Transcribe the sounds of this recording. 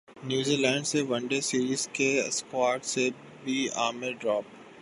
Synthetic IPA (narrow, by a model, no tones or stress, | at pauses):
njuːzilɛ̃ːɳɖseʋɐ̃ɳɖesiːɾiːzkḛskwaːɾʈse | bʱiaːmeɖɾɔːp̚